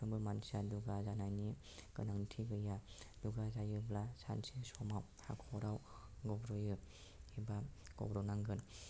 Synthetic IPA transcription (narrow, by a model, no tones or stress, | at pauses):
ɯŋbɯmansiaduɡazanajni | kɯnaŋntʰiɡɯjaduɡazajɯblasa̰nsisɔmaw | ha̰kʰɔɾaw | ɡɔbɾɔjɯhibaɡ̥ɔ̰bɾɔwnaŋɡɯn